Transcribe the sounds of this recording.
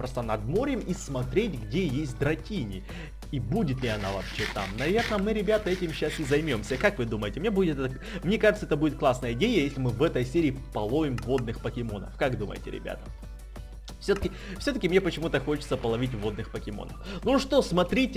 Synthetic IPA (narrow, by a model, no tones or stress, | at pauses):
pɾost̪ənɐd̪mo̞ɾʲɪmismɐt̪ɾʲetʲɡdʲejesʲt̚ʲd̪ɾɐtʲinʲɪ | ibudʲɪt̪lʲɪɐna̰vɐ̰ːpɕet̪a̰mnɐvʲe̞rnəmɨɾʲɪbʲat̪əɛtʲɪmɕːasɨzɐjmʲomsʲəkakvɨd̪uməjɪtʲɪmnʲebudʲɪt̪ɛt̪ə | mnʲe̞kaʐɨt̪səɛt̪əbudʲɪt̪̚klˠasnəjəɪdʲejəjesʲlʲɪmɨvɛt̪əjsʲeɾʲɪːpɐlˠo̞vʲɪmvo̞d̪nɨxpəkʲɪmo̞nə̰fkaɡd̪umə̰jɪ̰tʲɪ̰ɾʲɪ̰bʲa̰t̪ə̥ | fsʲot̪əkʲɪ | fsʲɵt̪əkʲɪmnʲepət͡ɕɪmut̪əxo̞t͡ɕɪ̥t̪səpəlˠɐvʲitʲvo̞d̪nɨxpəkʲɪmo̰nə̰fnuʂt̪o̞smɐt̪ɾʲitʲɪ